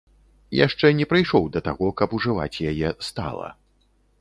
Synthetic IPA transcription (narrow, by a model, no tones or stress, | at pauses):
ja̰ʂt͡ʂɛnʲɛpɾɨjʂɔwd̪ɐt̪aɣɔkɐpuʐɨva̰t͡sʲjajɛst̪a̰lˠɐ̰